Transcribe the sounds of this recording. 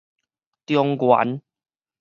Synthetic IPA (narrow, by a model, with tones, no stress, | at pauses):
t̪jɔ˧ŋkwa̰˨˦n